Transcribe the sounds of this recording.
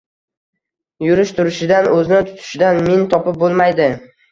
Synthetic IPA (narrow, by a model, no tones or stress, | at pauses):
jʊɾɪʃt̪ʰʊɾɪʃɪd̪anɵzɪnɪt̪ʰʊ̥t̪ʰɪ̥ʃɪd̪anmɪnt̪ʰɒpɪp̚bolˠmajd̪ɪ